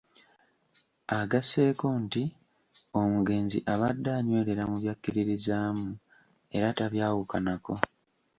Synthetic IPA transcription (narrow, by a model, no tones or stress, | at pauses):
aɡase̞ːko̞nti | o̞muɡe̞ːnzḭʔaβadːaːɲwe̞ːɾe̞ɾamuβjakːiɾiɾizaːmu | e̞ɾataβjaːwukanako̞